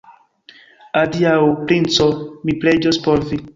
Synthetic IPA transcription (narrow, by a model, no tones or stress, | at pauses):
adiawpɾint͡sɔmipɾed͡ʒospɔɾvi